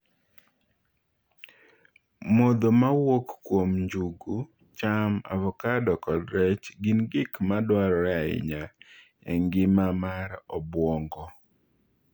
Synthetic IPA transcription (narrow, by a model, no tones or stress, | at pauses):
mɔd̪ɔmawokːwomɲd͡ʒuɡu | t͡ʃama̰vɔkadɔkɔdɾɛt͡ʃɡinɡɪkmadwaɾɔɾaɪ̰ɲa | ɛŋɡɪmamaɾɔbwɔŋɡɔ